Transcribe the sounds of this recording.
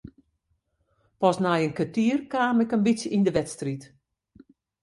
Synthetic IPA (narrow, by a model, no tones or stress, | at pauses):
pɔsnajənkətiərkaːmɪkənbitsjəindəʋɛtstrit